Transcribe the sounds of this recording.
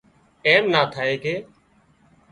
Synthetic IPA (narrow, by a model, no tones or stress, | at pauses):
eːmnaːt̪ʰaːeːkeː